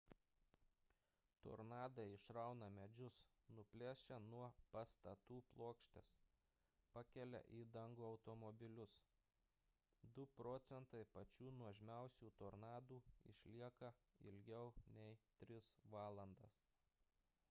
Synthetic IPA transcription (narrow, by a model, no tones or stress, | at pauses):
t̪o̰ɾnɑːd̪ɐɪɪʃɾɐˑʊnɐmʲɛd͡ʒʲʊs | nʊpʲlʲæːʃʲɛnuɔpɐst̪ɐt̪uːplˠoːkʃʲt̪ʲes | pɑkʲɛlʲɛ̰ʔiːd̪ɐŋɡuːɒʊt̪ɔmɔbʲɪlʲʊs | d̪ʊpɾɔːt̪sʲɛnt̪ɐɪpɐt͡ʃʲuːnuɔʒʲmʲæˑʊsʲuːt̪oːɾnɑːd̪uːɪ̰ʃʲlʲiɛkɐɪ̰lʲɡʲɛʊnʲɛɪt̪ʲɾʲɪsʋɑːlˠɐnd̪ɐs